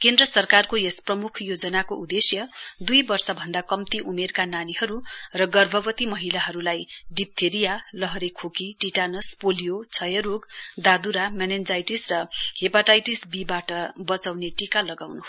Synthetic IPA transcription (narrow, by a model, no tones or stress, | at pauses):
kend̪rʌsʌrkarkojesprʌmukʰjod͡zʌnakoud̪esjʌd̪ujbʌrsʌbʱʌnd̪akʌmt̪iʔumerkananihʌɾurʌɡʌrbʱʌbʌt̪imʌɦilaɦʌɾulajɖip̚t̪ʰeɾijalʌɦʌɾekʰokiʈiʈanʌspolijot͡sʰʌjʌɾoɡd̪ad̪uɾamanend͡zajʈisrʌhepaʈajʈisbibaʈʌbʌt͡sawneʈikalʌɡawnu